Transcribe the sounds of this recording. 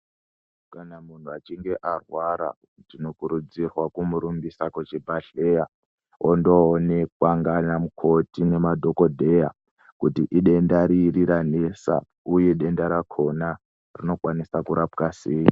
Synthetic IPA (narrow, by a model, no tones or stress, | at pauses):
kanamun̤uat͡ʃiŋɡe̞ʔarwaɾa̰ | tino̞kuɾud͡zirwakumuɾumbisakwet͡ʃibʱaɬe̞ja | ondo̞ːnekwaŋɡanamukʰo̞tine̞madʱo̞ko̞dʱe̞ja | kutiʔiɗe̞ndaɾiːriɾanesa̰ | uje̞ɗe̞ndaɾakʰo̞na | rino̞kwanisakuɾapkase̞ːji